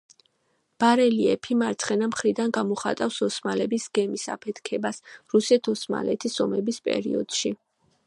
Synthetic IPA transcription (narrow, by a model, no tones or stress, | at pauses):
b̥aɾɛliɛpʰimaɾt̪sʰχɛnamχɾid̪anɡamɔχa̰t̪ʼafsɔsmalɛbisɡ̥ɛmisa̰pʰɛt̪ʰkʰɛbasɾusɛt̪ʰɔsma̰lɛt̪ʰisɔmɛbispʼɛ̰ɾḭɔ̰d̪̥ʃi